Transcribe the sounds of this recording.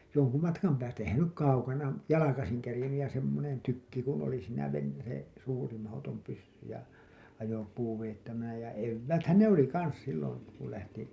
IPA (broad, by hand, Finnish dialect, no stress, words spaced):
joŋku mɑtkɑm pæːstæ ehæn se nyk kɑukɑnɑ jɑlɑkɑsiŋ kerĭjenːyj jɑ semːonen tykːi kun oli siːnæ ʋen se suːri mɑhotom pysːy jɑ ɑjopuː ʋejetːæʋænæ jɑ eʋːæːthæn ne oli kɑns silːon̞ ku læhti